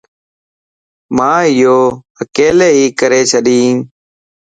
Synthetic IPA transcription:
mãːɪjoː | əkeːleːɦiːkəɾeːt͡ʃʰəɗĩː

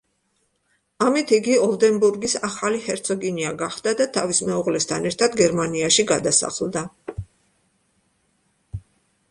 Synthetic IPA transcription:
amit̪ʰiɡiɔlˠd̪ɛnbuɾɡisaχalihɛɾt̪sʰɔɡiniaɡaχd̪̥ad̪at̪ʰavismɛuʁlɛst̪ʰanɛɾt̪ʰad̪ɡɛɾmaniaʃiɡad̪asa̰χlˠd̪a

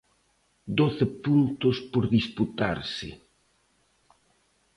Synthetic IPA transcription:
d̪oθepunt̪ospoɾðisput̪a̰ɾsɪ̰

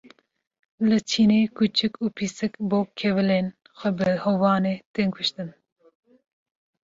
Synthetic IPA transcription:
lɨt͡ʃʰiːneːkʰut͡ʃʰɨkuːpʰisɨkboːkʰɛvɨleːn | xʷɛbɨhovɑːneːt̪eːnkʰʊʃt̪ɨn

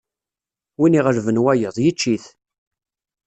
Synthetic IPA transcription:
winiʁəɾvənwæjəðˤjət͡ʃːiθ

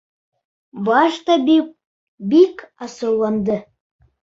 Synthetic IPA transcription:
bɑʃt̪ɑ | bikɑsɤwlˠɑnd̪ə

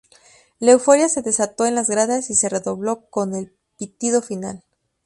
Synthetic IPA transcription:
le̞wfo̞ɾjase̞ðe̞sat̪o̞enlazɣɾaðasise̞re̞ðo̞βlo̞ko̞ne̞l | pit̪iðo̞fina̰l

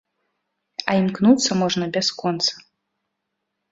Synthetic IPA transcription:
ɐimknut̪sːɐmɔʐnɐbʲɛskɔnt̪sɐ̥

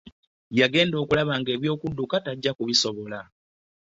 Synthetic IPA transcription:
jaɡe̞ːndo̞ːkulaβaːŋɡe̞ːβjo̞ːkudːukataɟːakuβiso̞βola

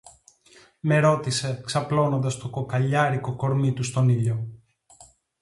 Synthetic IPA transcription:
me̞ɾo̞t̪ise̞ksɐplo̞no̞nd̪ɐst̪o̞ko̞kɐʎɐɾiko̞ko̞ɾmit̪ust̪o̞niʎo̞

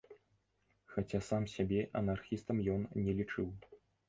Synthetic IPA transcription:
xat͡sʲasamsʲabʲɛʔɐnarxʲist̪ɐmjɔnnʲɛlʲit͡ʂɨw

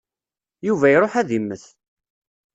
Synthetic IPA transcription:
juvæjɾˤoħæðimːəθ

